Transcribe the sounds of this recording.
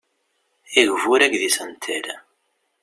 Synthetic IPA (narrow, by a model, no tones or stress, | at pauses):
iʝvuɾækðisənt̪ʰəɾ